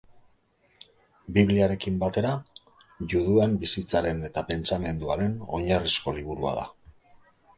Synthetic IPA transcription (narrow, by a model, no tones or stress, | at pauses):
biβliaɾe̞kimbat̪e̞ɾa | ʝuðuembisit͡saɾe̞ne̞t̪ape̞nt͡same̞nd̪uaɾe̞no̞ɲarisko̞liβ̞uɾua̰ða̰